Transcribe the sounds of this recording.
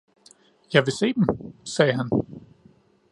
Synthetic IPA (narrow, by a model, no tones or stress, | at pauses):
jɑ̈ɪʋe̝se̝̰ːd̥emsɛːɦæn